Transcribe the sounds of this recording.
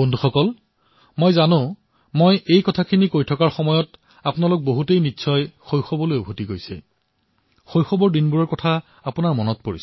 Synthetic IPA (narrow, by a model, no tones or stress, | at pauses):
bondʱuxɔkɔl | mojzanʊ̃ | mojejkɔtʰakʰinikojtʰɔkaɹxɔmɔjɔt | apʊnalʊk̚boɦutejnitːsʰɔjxojxɔbɔlojubʱotiɡojsɛ̰ | xojxɔbɔɹdinbuɹɔɹkɔtʰa | apʊnaɹmɔnɔt̚poɹis